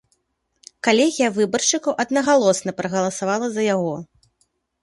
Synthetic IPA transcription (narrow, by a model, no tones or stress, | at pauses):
kalʲɛɣʲijɐvɨbɐrʂɨkɐwʔɐd̪nɐɣalˠɔsnɐpɾɐɣɐlˠɐsavalˠɐzɐjaɣɔ